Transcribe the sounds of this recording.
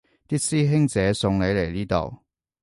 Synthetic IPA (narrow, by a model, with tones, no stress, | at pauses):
t̪iː˥k̚siː˥ɦɪ˥ŋt͡sɛː˨˥sʊ˧ŋle˨˧jle˨˩jliː˥t̪o̰˨˩w